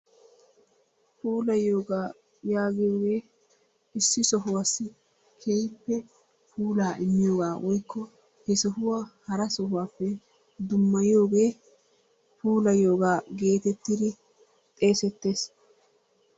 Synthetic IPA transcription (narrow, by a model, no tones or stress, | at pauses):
puːlɐjoːɡaː | jaːɡɪjo̞ːɡe̞ː | ɪsːɪsɔɦʊwasːɪ | kʰejpːɛ | puːlaːʔɪmːɪjoːɡaːwʔɔjkːɔ | hɛsɔhʊwahɐɾɐsɔɦʊwaːpːɛ | d̪ʊmːɐjɪo̞ːɡe̞ː | puːlɐjo̞ːɡaːɡe̞ːt̪ɛt̪ːɪd̪ɪ | t̪ʼe̞ːsɛt̪ːe̞ːs